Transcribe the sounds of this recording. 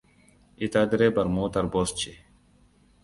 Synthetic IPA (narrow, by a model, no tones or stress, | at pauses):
it̪ad̪ɾebɐɾmuːt̪ɐɾboːst͡ɕʰi